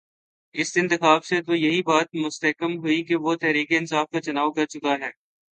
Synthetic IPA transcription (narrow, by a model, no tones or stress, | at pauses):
ɪsɪ̃nt̪ɪxaːbset̪ojɐɦibaːt̪̚mʊst̪ɐkəmɦʊikeʋot̪ɛɦɾiːkeɪnsaːfkat͡ʃɐnaːʋkɐɾt͡ʃʊkaɦɛː